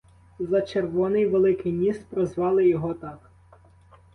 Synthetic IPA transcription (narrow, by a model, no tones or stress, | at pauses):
zɐt͡ʃerʋɔnɪjʋelˠɪkɪjmʲist̪pɾɔzʋɑlˠɪjɔɦɔt̪ɑk